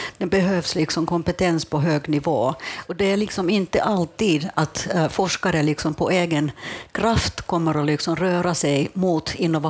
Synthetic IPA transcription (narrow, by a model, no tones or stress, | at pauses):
d̪̥ɛbɛɦøːvslɪksɔmkʰɔmpɛt̪ɛnspʰɔɦøːɡnɪvoːɔd̪ɛæɾɭɪksɔmɪnt̪ːə̰ʔalt̪iːd̪at̪fɔʂkaɾəlɪksɔmpʰɔʔeːɡənkʰɾaft̪kʰɔmːəɾɔlɪksɔmɾøːɾasɛjmuːt̪ʰɪnːʊva